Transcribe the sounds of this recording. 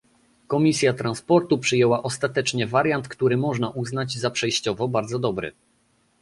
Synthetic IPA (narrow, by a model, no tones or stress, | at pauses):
kɔmʲisʲjat̪ɾanspɔɾt̪upʂɘjɛwaʔɔst̪at̪ɛt͡ʂɲɛvaɾjant̪kt̪uɾɘmɔʐnaʔuznad͡ʑzapʂɛjɕt͡ɕɔvɔbaɾd̪zɔd̪ɔbɾɘ̰